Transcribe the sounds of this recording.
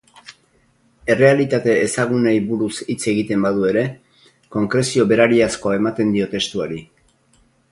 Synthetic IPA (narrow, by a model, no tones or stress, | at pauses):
e̞re̞alit̪at̪e̞ːsaɣ̞unejβuɾusit͡se̞ɣit̪e̞mbaðue̞ɾe̞ | ko̞ŋkɾe̞sio̞βe̞ɾaɾiasko̞ae̞mat̪e̞nd̪io̞t̪e̞st̪uaɾi